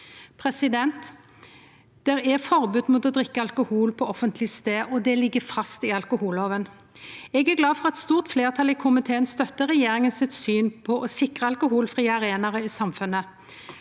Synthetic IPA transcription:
pʰʁɛsɪd̪ɛnt̪ | d̪̥ɛʁɛfɔʁbʉːd̪mʊt̪ɔd̪ʁɪkːəɑlkʊhuːlpʰɔɔfənt̪ʰlɪst̪eːʔɔd̪ɛlɪɡːəfɑst̪ɪɑlkʊhuːloːʋən | ɛɡæɡlɑːfɔʁɑt̪st̪uːʁt̪fleːʁt̪ʰɑlɪkʰʊmɪt̪ʰeːənst̪œt̪ːəʁɛjeːʁɪŋənsɪt̪syːnpʰɔʔɔsɪkʁəɑlkʊhuːlfʁiːəɑʁeːnɑʁəɪsɑmfʉnːə

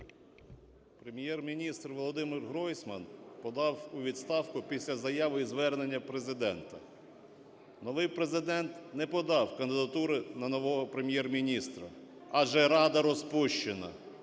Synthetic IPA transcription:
pɾemʲjɛrmʲinʲist̪rʋɔlˠɔd̪ɪmɪrɦɾɔjsʲmɐ̰npɔd̪ɑwʊʋʲid̪st̪ɑwkʊpʲisʲlʲɐzɐjɑʋɪizʋɛrne̞nʲːɐpɾe̞zɪd̪ɛnt̪ɐ | nɔʋɪjpɾezɪd̪ɛnt̪nɛpɔd̪ɑwkɐnd̪ɪd̪ɐt̪uɾɪnɐnɔʋɔɦɔpɾemʲjɛrmʲinʲist̪ɾɐɐʒɛɾɑd̪ɐɾɔspuʃt͡ʃenɐ̰

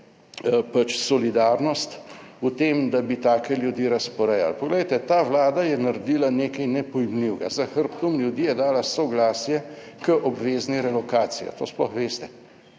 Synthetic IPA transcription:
pat͡ʃsɔlid̪aːɾnɔst̪ut̪eːmd̪abit̪aːkɛljud̪iːɾɐspɔɾɛja̰lpɔɡlɛjt̪ɛt̪aːʋlaːd̪ajɛnaɾd̪iːlaneːkajnɛpɔjmliwɡa̰zaxəɾpt̪umljud̪iːjɛd̪aːlasɔɡlaːsjɛ | kəʔɔbʋeːzniɾɛlɔkaːt̪sija̰t̪oːsplɔ̰xʋeːst̪ɛ̥

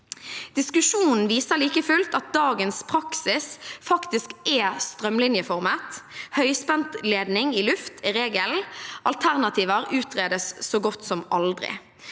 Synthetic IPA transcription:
d̪̥ɪskʉʃuːnn̩ʋiːsəʁliːkəfʉlt̪ɑt̪̚d̪ɑːɡənspʰʁɑksɪsfɑkt̪ɪskɛst̪ʁœmlɪnjəfɔʁmət̪hœʏspɛnt̪leːd̪nɪŋɪlʉft̪ʰɪʁeːɡəlʔɑlt̪ʰæʁnɑt̪ʰiːʋəʁʉːt̪ʰʁeːd̪əsːoːɡɔt̪ːsɔmʔɑld̪ʁɪ̰

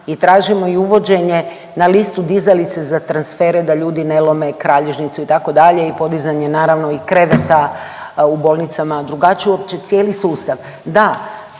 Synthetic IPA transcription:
it̪ɾaːʒimo̞iuʋo̞d͡ʑe̞ɲe̞ | nalist̪ud̪izalit̪sezat̪ɾansfe̞ːɾed̪aʎuːd̪ine̞lˠo̞me̞kɾaːʎeʒnit̪suit̪ako̞d̪aʎe̞ipo̞d̪izaɲe̞naːɾaʋno̞ikɾe̞ʋet̪a | ubo̞ːlˠnit̪samad̪ɾuɡat͡ɕiuopt͡ɕet̪sjeːlisuːst̪aʋ | d̪a

